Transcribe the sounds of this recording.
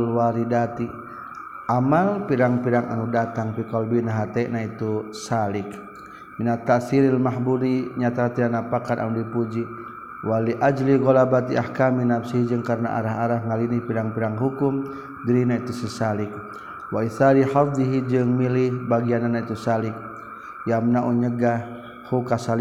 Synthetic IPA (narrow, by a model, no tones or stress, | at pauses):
lwaɾidat̪i | ʔamalpiɾaŋpiɾaŋa̰nudat̪aŋpikɔlbinaɦat̪ɛʔnait̪usalik | minat̪ːaʔsiɾilmaɦbuɾiɲat̪aɦat̪ianapakanʔa̰nudipud͡ʒi | waliʔad͡ʒliɣɔlabat̪iʔahkaminapsiɦid͡ʒɨŋkaɾna̰ʔa̰ɾaɦaɾaɦŋalinihpiɾaŋpiɾaŋɦukum | ɡiɾinait̪usɛsalik̚ | waiθaɾihafd̪iɦid͡ʒɨŋmilihbaɡiananait̪usalik̚ | jamnaʔuɲəɡah | hukasal